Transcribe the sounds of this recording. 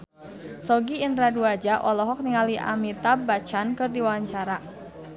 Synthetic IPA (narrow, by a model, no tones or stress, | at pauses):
sɔɡiːndɾaduad͡ʒaʔɔlɔɦɔk̚niŋaliʔa̰mit̪abat͡ʃankɨrdiwawaɲt͡ʃaɾa